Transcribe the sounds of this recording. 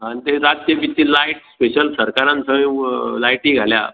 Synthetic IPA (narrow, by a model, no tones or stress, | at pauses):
ɦãnt̪eɾad͡z̚kjepit̪ːiːlajʈspeɕəlsəɾkaɾãnsəmĩlajʈiːɡʱalja̰